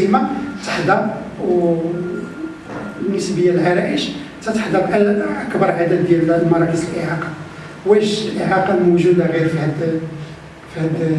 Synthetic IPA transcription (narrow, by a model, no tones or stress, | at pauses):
imat̪ə̥ħd̪ɑɾw | bnːəsbəjːælʕæɾˤæʔəʃt̪æt̪əħd̪ɑɾʔæləkbɑɾˤʕad̪æd̪ːjælmɑɾˤɑʔisəlʔeʕɑqɑ | wæʃlʔeʕɑqɑmuʒud̪aɣiɾfihæd̪ | fihæd̪